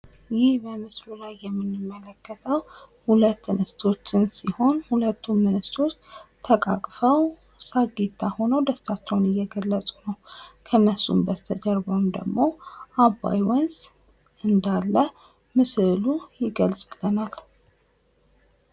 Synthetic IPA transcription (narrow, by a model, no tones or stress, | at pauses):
jɪhbəmɨslulajːɛmːɨnːɨmːələkːət̪ʰəwhulət̪ːnɨst̪ʰo̞t͡ʃːɪnsiho̞nhulət̪ːumːɨnɨst̪ʰo̞t͡ʃːt̪ʰəkʼa̰kʼfəw | saɡet̪ʰːaho̞nəwd̪əst̪ʰat͡ʃːɛwnɨjːɛɡəlːət͡sʼunəwkʰənːəsṵmbəst̪ʰəd͡ʒəɾbəwnd̪ə̰ɡmo̞ʔaba̰jwɔnz | ɨnd̪alːə | mɨsɨlujɪɡəlsʼlənal